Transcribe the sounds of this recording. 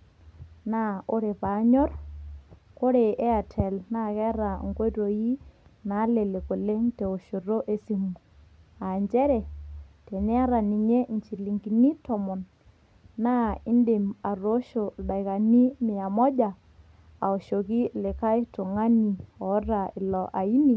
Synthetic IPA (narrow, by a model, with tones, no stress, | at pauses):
na˦o˦ɾe˨pa˨˦ɲɔ˦r | ko˦ɾe˨ʔe˦a˨tʰɛ˨lna˦kɛ˦ɾa˨ŋɡo˦ɾo˨ji˦na˨˦le˨le˨ko˨le˦ŋte˨o˨ʃo˨ro˦ʔe˦si˦mu˨ | a˨ɲt͡ʃɛ˦ɾɛ˨te˨ne˦a˦ɾa˨ni˨ɲe˦nt͡ʃi˨li˨ŋɡi˨ni˦tɔ˨mɔ˨n | na˦ɪ˦nde˨ma˨ro˦ʃo˨ɗa˨jka˨ni˦mɪ˨a˨mɔ˦d͡ʒa˨ | a˨o˨ʃo˨ki˦le˨ka˦jto˨ŋa˦ni˨ɔ˨˦ɾa˨ɪ˨lɔ˨ʔa˨i˦ni˨